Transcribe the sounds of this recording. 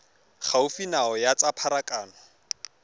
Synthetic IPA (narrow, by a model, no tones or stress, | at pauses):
χʰaʊfinaɔjat͡sapʰaɾakʼaːnɔ